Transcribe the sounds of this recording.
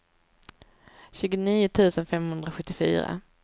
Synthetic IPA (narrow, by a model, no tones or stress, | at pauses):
ɕʉːɡʊniːʊt̪ʰʉ̟ːsənfɛmhɵnd̪ɾaɧɵt̪ːɪfy̰ːɾa̰